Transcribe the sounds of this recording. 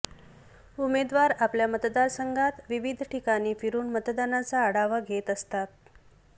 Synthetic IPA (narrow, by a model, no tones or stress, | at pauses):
umed̪ʋaɾapljamət̪d̪aɾsəŋɡʱat̪ʋiʋid̪ʱʈikaniːfiɾuːnmət̪d̪anat͡saəɽaʋəɡʱet̪əst̪at̪̚